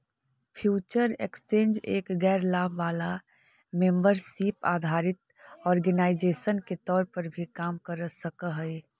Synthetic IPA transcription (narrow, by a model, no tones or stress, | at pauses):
pʰjuːt͡ʃəɾekst͡ʃẽːnd͡ʒḛːkɡɛːɾlaːbʱʋaːla | mẽmbəɾsipa̰ːd̪ʱaːɾɪt̪ | ɔːɾɡənaːɪd͡ʒeːsənket̪ɔːɾpəɾbʱikaːmkəɾsəkəɦɛɪ